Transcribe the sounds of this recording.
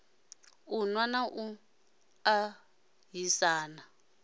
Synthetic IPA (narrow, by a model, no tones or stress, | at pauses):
unwanaʔu | a | ɦisaːna